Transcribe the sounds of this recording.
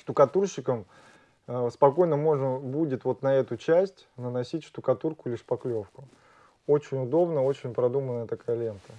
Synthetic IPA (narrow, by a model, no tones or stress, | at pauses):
ʂt̪ʊkɐt̪urɕːɪkəmː | spɐko̞jnəmo̞ʐnəbudʲɪt̪vo̞t̪nɐɛt̪ʊt͡ɕæsʲtʲnənɐsʲitʲʂt̪ʊkɐt̪urkʊlʲɪʂpɐklʲofkʊ | o̞t͡ɕɪnʲʊd̪o̞bnəo̞t͡ɕɪnʲpɾɐd̪umənəjət̪ɐkajəlʲent̪ə